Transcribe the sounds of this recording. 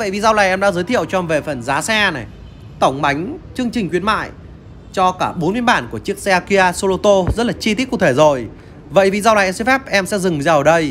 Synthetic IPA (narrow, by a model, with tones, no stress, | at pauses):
və̰˧˨jvi˨˩za˧wlaː˨˩jʔɛ˧mɗa̰˧˥zəː˨˦jt̪ʰḭ˧˨əwt͡ɕɔ˧˩ve˨˩fə˨˩nzaː˨˦sɛ˧nɛ˨˩j | t̪ə˧˩wŋ͡mɓa˨˦jŋ̟t͡ɕɨ˧əŋt͡ɕï˨˩ŋ̟kwi˧˥ənma̰ː˧˨j | t͡ɕɔ˧kaː˧˩ɓo˨˦nmi˧ənɓaː˧˩nku˧˩ət͡ɕɨ˦˥ək̚sɛ˧aː˧ki˧ʔaː˧so˧lo˧t̪o˧zə˦˥t̚laː˨˩t͡ɕi˧t̪i˦˥k̚u˧˩t̪ʰe˧˩zo˨˩j | və̰˧˨jvi˨˩zaː˧waː˨˩ʔɛ˧sɛ˧˥fɛ˦˥p̚ʔɛ˧msɛ̰˧˥zɨ˨˩ŋzaː˧˨əː˨˩ɗə˧j